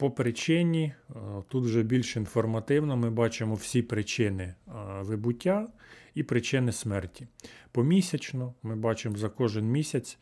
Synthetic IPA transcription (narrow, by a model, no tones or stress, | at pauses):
pɔpɾɪt͡ʃɪnʲit̪ut̪wʒɛbʲilʲʃinfɔrmɐt̪ɪwnɔmɪbɑt͡ʃemɔw̥sʲipɾɪt͡ʃɪnɪʋɪbʊtʲːaipɾɪt͡ʃɪnɪsmɛrtʲi̥pɔmʲisʲɐt͡ʃnɔmɪbɑt͡ʃemzɐkɔʒɪnmʲisʲɐt͡sʲ